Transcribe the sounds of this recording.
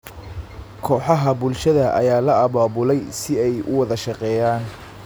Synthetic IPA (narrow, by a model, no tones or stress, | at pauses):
kʰɔːħɑɦɐbʊlʃɐðɐʔɐ̰jaːlɐɐβaːβʊlɛjsɪɛjʔʊ̰wɑðɐʃɑqɛːjaːn